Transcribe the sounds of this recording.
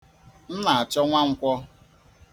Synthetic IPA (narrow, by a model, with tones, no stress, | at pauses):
n̩˦na˨a˨t͡ʃɔ˦ŋʷa˦ŋ̩˦kʷɔ˦